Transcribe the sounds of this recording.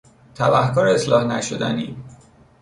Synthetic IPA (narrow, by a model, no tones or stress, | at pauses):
t̪ʰæbæhkɒːɾeeslɒːhnæʃod̪æ̰niː